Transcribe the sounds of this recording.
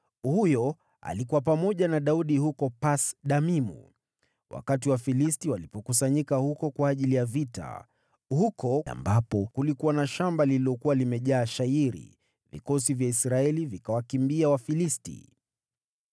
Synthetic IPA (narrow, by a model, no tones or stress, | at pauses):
hujɔ | a̰likuwapamɔʄanaɗauɗihukɔpasɗamimṵ | wʔa̰katiwafilistiwalipɔkusaɲikahukɔkwaːʄilijavita̰ | hukɔa̰mbapɔkulikuwanaʃambalililɔkuwalimɛʄaːʃaiɾḭ | vḭkɔsivjaisɾaɛlivikawakimbiawafilistḭ